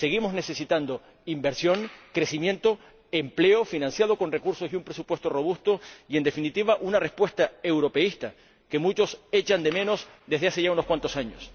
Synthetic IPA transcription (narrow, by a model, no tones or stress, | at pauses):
se̞ɣ̞imozne̞se̞sit̪and̪o̞ | imbe̞ɾsjo̞ŋkɾe̞simjẽ̞nt̪o̞ | emple̞ofinãnsjaðo̞ko̞nre̞kuɾso̞siumpɾe̞supwe̞st̪oro̞βust̪o̞ie̞nd̪e̞finit̪iβ̞aʔunarespwe̞st̪ae̞wɾo̞pe̞ist̪a | ke̞mut͡ʃo̞se̞t͡ʃand̪e̞mẽ̞no̞sd̪eðeaseʝauno̞skwant̪o̞saɲo̰s